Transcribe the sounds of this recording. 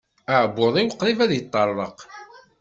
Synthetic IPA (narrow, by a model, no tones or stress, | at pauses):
əʕbːoðˤiwəqːlivæðjət̪ˤːɑɾˤːəq